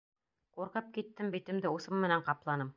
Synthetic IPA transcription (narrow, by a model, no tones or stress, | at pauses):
quɾqɤp̚kit̪ːɘmbit̪ɘ̆md̪ɘusɤmːɘ̆næɴqɑplˠɑnɤm